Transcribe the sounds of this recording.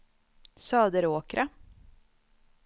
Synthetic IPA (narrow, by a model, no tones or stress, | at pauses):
sɑːd̪əɾoːkɾʔa